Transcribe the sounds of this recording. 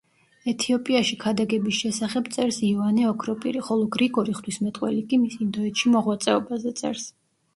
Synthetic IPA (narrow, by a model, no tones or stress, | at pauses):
ɛt̪ʰiɔpʼiaʃikʰad̪aɡɛbisʃɛsaχɛbt̪sʼɛɾsivanɛɔkʰɾɔpʼḭɾiχɔlˠɔɡɾiɡɔɾiχt̪ʰwismɛt̪ʼqʼwɛ̰likʼimisiːnd̪ɔɛt̪ʃimɔʁwat̪sʼɛɔbazɛt̪sʼɛ̰ɾs